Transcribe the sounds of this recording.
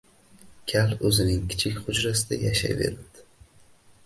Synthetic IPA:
kʲʰalɵzɪnɪŋkʲʰɪ̥t͡ʃʰɪkʲχʊd͡ʒɾasɪd̪a̰jaʃa̰jve̞̰ɾad̪̥ɪ

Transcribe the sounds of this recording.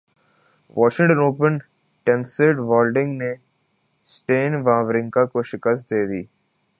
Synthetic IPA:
ʋɔːʃɪ̃ŋʈənoːpə̃n | ʈɛ̃nseɾʈʋɔːlɖɪ̃ŋɡne | sʈeːnʋãːʋɾɪ̃ŋkakoʃɪkəst̪̚d̪eːd̪iː

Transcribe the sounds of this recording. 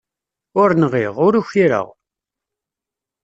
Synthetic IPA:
ʊɾnʁiʁʊɾuçiɾə̰ʁ

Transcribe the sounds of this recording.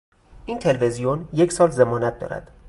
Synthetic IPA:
ʔiːnt̪ʰe̞lve̞zijonje̞cʰsɒːlzemɒːnæt̪̚d̪ɒ̰ːɾæ̰d̪̥

